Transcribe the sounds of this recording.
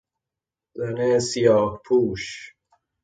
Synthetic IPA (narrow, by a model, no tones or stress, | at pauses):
zanesijɒːhpʰuːʃ